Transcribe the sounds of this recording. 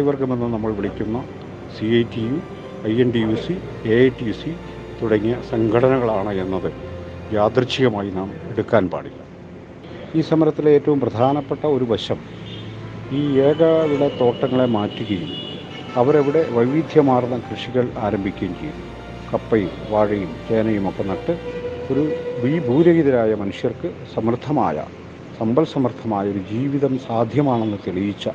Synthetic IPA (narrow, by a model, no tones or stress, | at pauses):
jʋɐrkɐme̞nːɨnɐmːɐɭʋiɭikʲːunːɐ | siɐjtːiju | ɐjenɖijuːsi | eeʈːijusi | t̪uɽɐŋːijɐsɐŋɡʰʱɐɽɐnɐɣɐɭaːɳɨe̞nːɐðɨ | jaːd̪rɨt͡ɕːiɣɐmaːjinaːmeɽukːaːnpa̰ːɽilːɐ | iːsɐmɐɾɐt̪ːile̞ːtːɐʋumprɐd̪ʱaːnɐpːe̞ʈːɐo̞ɾuʋɐɕɐm | iːeːɡɐʋiɽet̪o̞ːʈːɐŋːɐɭe̞maːtːuɣɐjum | ɐʋɐɾeʋiɽe̞ʋɐjʋid̪ʱjɐmaːrnːɐkrɨʂiɣɐɭaːɾɐmbʱikʲːunkɐ̰jumː | kɐpːɐjumʋaːɻɐjumt͡ɕe̞ːnɐjumokːe̞nɐʈːɨo̞ɾubiːbʱuːðɐɣiðɐɾaːjɐmɐnuʂjɐrkɨsɐmrt̪ʰːɐma̰ːjɐ̰ | sɐmbɐlsɐmrd̪ʰʱɐmaːjɐoɾud͡ʑiːʋiðɐmsaːd̪ʱjɐmaːɳe̞nːɨt̪eɭijit͡ɕːɐ